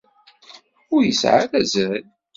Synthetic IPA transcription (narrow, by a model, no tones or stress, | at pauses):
ʊɾjəsʕa̰læzæl